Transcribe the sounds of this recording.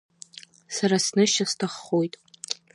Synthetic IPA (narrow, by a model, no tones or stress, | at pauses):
saɾasnɨʃastʰaχːojtʼ